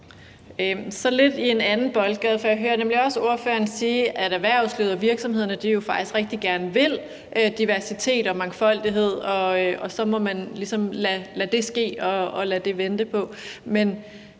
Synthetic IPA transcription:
øsɒ̽le̝d̥ie̝nænn̩b̥ɒ̽lɡ̥ɛðˠfɒ̽jɑɦøːɐnemliɒ̽so̝ɐfø̰ːɐnsiːʔæɾ̥æʋæɐ̰sleːðˠɐʋiɐɡ̥sɒ̽mhe̝ðˠɐnəd̥ijo̝fɑ̈ɡ̥d̥isɡ̥ʁɛɡ̥̚d̥iɡ̥æɐnəʋe̝l̰ | ʔød̥iʋæɐsit͡sʰe̝̰ːd̥ɒ̽mɑ̈ŋfɒ̽l̰d̥iɦe̝ð̰ˠɒ̽ɒ̽sɒ̽mɒ̽mænlisɒ̽mlælæd̥e̝sɡ̥e̝̰ːɒ̽ːlæd̥e̝ʋend̥əpʰɒ̽men

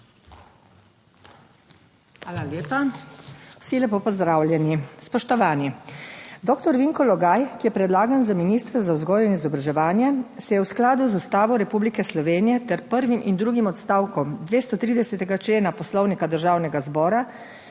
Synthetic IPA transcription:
xʋaːlaleːpa | w̥silɛpoːpɔzd̪ɾaːwljɛnispɔʃt̪ɔʋaːni | d̪ɔːkt̪ɔɾʋiŋkɔlɔɡaːjkijɛpɾɛd̪laːɡanzaminiːst̪ɾɛzawzɡɔːjinizɔbɾaʒɛʋaːnjɛsɛjɛwsklaːd̪uzust̪aːʋɔɾɛpublikɛslɔʋeːnijɛt̪ɛɾpəɾʋimʔind̪ɾuːɡimɔt̪st̪aːwkɔmd̪ʋeːst̪ɔt̪ɾiːd̪ɛsɛt̪ɛɡat͡ʃleːnapɔslɔwnikad̪əɾʒaːwnɛɡazbɔːɾa

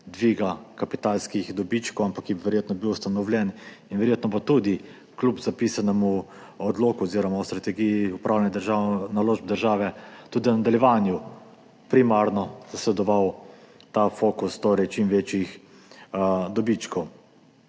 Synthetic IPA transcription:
d̪ʋiːɡakapit̪alskixd̪ɔbit͡ʃkɔwampakːɛbiʋɛɾjeːt̪nɔbiwust̪anɔwlʲjɛninʋɛɾjeːt̪nɔbot̪ud̪i | klupzapiːsanɛmu | ɔd̪loːkuɔziːɾɔmawst̪ɾat̪ɛɡijiupɾawlanɛd̪əɾʒanaloːʒb̚d̪əɾʒaːʋɛt̪uːd̪inad̪aljɛʋanju | pɾimaɾnɔz̥aslɛd̪ɔʋawt̪afoːkust̪oːɾɛjt͡ʃimʋeːt͡ʃjix | d̪ɔbit͡ʃkɔw

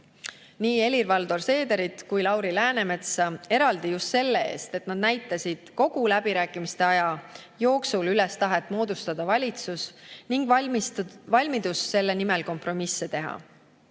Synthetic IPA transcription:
niːe̞lirvɑld̪̥o̞rse̞ːd̪eɾit̪kujlɑwɾilæːne̞me̞t̪sɑe̞ɾɑld̪̥ijust̪se̞lːe̞e̞̰ːst̪e̞t̪nɑd̪̚næjt̪ːˑɑsʲid̪̥ko̞ɡ̥ulæb̥iɾæːkːˑimist̪e̞ɑjɑjo̞ːksulyle̞st̪ɑɦe̞t̪ːˑmo̞ːd̪ust̪ɑd̪̥ɑvɑlʲit̪susniŋɡv | vɑlʲmid̪̥usse̞lːe̞nimelko̞mpro̞misːe̞t̪e̞ɦɑ̰

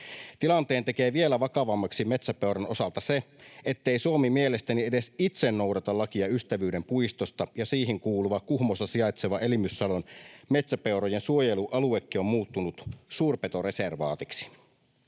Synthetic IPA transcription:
t̪ilɑnt̪eːnt̪ekeːʋielæʋɑkɑʋɑmːɑksimet̪sæpewɾɑno̞sɑlt̪ɑseet̪ːeisuomimielest̪æniedesit̪senːo̞wdɑt̪ɑlːɑkiɑyst̪æʋyːdempuist̪ost̪ɑjɑsiːɦiŋkuːluʋɑkkuhmost̪ɑsiɑjt̪seʋɑʔelimysːɑlonme̞t̪sæpeuɾojensuojeluʔɑluekːio̞mmuːt̪ːunut̪suːrpet̪o̞re̞serʋɑːt̪iksi̥

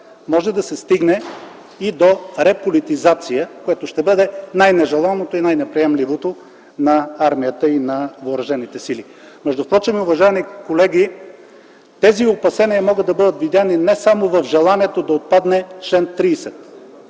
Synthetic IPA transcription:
mɔʒɛd̪ɐsɛst̪iɡnɛ | id̪oɾɛpolit̪izat̪sijəkojɛt̪oʃt̪ɛbɤd̪ɛnajnɛʒɛlˠanot̪oinajnɛpɾiɛmlivot̪o | nɐaɾmijət̪əinɐvoːɾɐʒɛnit̪ɛsili | mɛʒd̪ʊft̪ɾɔt͡ʃɛmiʊvɐʒaɛmikolɛɡʲi | t̪ɛziopɐsɛniəmɔɡəd̪ːɐbɤd̪ət̪vid̪janinɛsamovɐfʒɛlˠaniɛt̪od̪ɐot̪̚pad̪nɛt͡ʃlɛnt̪ɾiːsɛt̪

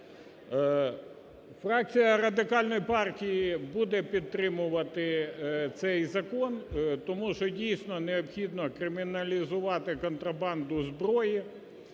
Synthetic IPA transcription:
frɑk̚t͡sʲijɐrɐd̪ɪkɑlʲnɔjipɑrtʲijibud̪ɛpʲid̪t̪ɾɪmʊʋɐt̪ɪt̪sɛjzɐkɔnt̪ɔmuʃt͡ʃɔdʲijsʲnɔneɔpxʲid̪nɔkɾɪmʲɪnɐlʲizʊʋɑt̪ɪkɔnt̪ɾɐbɑnd̪ʊzbɾɔji

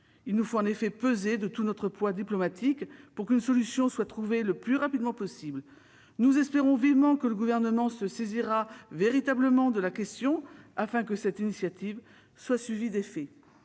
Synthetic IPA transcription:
ilnufoɑ̃nefɛpøzed̪ət̪unɔt̪χəpwad̪iplɔmat̪ʰikpuʁkynsɔlysjɔ̃swat̪χuveləplyʁapid̪mɑ̃pɔsibl | nuzɛspeʁɔ̃vivmɑ̃kələɡuvɛʁnəmɑ̃səseziʁaveʁit̪abləmɑ̃d̪əlakʲɛst̪jɔ̃afɛ̃kəsɛt̪inisjat̪iv | swasɥivid̪efɛ

